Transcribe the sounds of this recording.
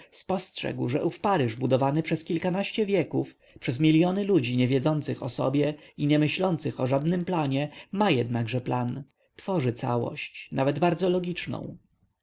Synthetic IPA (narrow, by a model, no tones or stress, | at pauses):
spɔstʂɛ̰ɡwʐɛ̰ʔufpaɾɘʐbud̪ɔvanɘpʂɛskʲilkanaɕt͡ɕɛvʲjɛkuf | pʂɛzmʲiljɔnɘlud͡ʑiɲɛvʲjɛd̪zɔnt̪sɘxɔ̰sɔ̰bʲjɛiɲɛmɘɕlɔnt̪sɘxɔʐad̪nɘmplaɲɛmajɛd̪naɡʐɛplan | t̪fɔʐɘt̪sa̰wɔ̰ɕt͡ɕnavɛd̪baɾd̪zɔlɔɡʲit͡ʂnɔ̰̃w̃